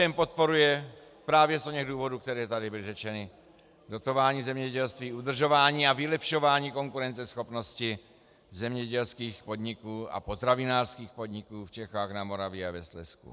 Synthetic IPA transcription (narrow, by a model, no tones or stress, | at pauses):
ɛmpot̪̚po̞ɾujɛ | pɾaːvjɛst̪oɲɛɣduːvo̞duːkt̪ɛɾɛːt̪adɪbɪlɪʒɛt͡ʃɛnɪ | do̞t̪o̞vaːɲiːzɛmɲɛɟɛlst̪viːʔud̪r̩ʒo̞vaːɲiːavɪlɛpʃo̞vaːɲiːko̞ŋkuɾɛnt͡sɛsxo̞pno̞scɪ | zɛmɲɛɟɛlskiːxpo̞d̪ɲɪkuːa̰pot̪ɾavɪnaːrskiːxpo̞dɲɪkuːft͡ʃɛxaːɣnamo̞ɾavjɪavɛslɛ̰skṵ